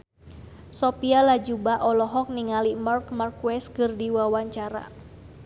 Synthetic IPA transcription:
sɔpialad͡ʒubaʔɔlɔɦɔk̚niŋalimarkmarkwɛskɨrdiwawaɲt͡ʃaɾa̰

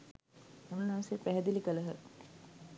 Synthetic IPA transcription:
ununɐʋsepæɦɛd̪ilikələɦə

